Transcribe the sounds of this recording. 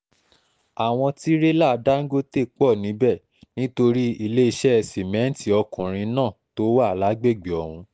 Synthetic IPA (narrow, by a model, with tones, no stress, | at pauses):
a˨w̃ɔ̃˧ti˦ɾe˦la˦˨˧da˦ŋ̩˦ɡo˦te˦˨k͡pɔ˦˨nĩ˨˦bɛ˦˨ | nĩ˦to˧ɾi˦i˧le˦i˧ʃɛ˦ɛ˧˨si˨mɛ̃˨˦n̩˦ti˦ɔ˧kũ˨ɾ̃ĩ˧nãː˦˨to˦wa˦˨la˨˦ɡ͡be˦˨ɡ͡be˨ɔ˨hũ˧